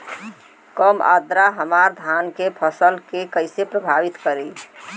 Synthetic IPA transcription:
kəma̰d̪ɾaɦəmaɾd̪ʱankepʰəsəlkekəɪsepɾəbʱaʋit̪kəɾe

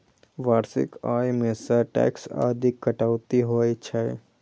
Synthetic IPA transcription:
ʋaːɾsɪ̰kaːjmẽsaʈɛ̰ːksa̰ːd̪ikːəʈaːwt̪iɦoit͡ʃʰaj

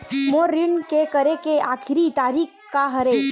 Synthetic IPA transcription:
moɾinkekəɾekeʔaːkʰɪɾit̪aɾikʰkːaɦəɾe

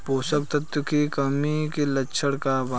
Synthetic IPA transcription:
poːsək̚t̪ɐt̪jəkikɐmikilɐtːʃʰəɽkaba

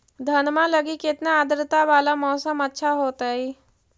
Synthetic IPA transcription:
d̪ʱɐnmãləɡikɪt̪naːd̪ɾɪt̪aʋaːlamɔːsəmɐtːʃʰaɦoːt̪aɦiː

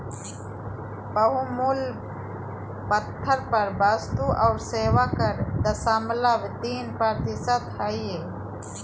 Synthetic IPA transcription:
pəɦumul | pət̪ʰːəɾpɐɾbaːst̪uʔawɾseːʋaːkəɾd̪ɐsaːmlaʋt̪iːnpaɾd̪isət̪haːie

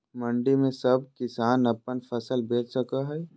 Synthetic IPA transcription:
mɐ̃ɳɖimẽsɐb̚kɪsaːnɐpənfʰɐsəlbeːt͡ʃsəkaɦɛː

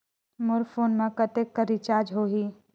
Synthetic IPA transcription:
mʊɾfʰoːnmãkɐt̪eːkːəɾit͡ʃaːd͡ʒɦoːɦiː

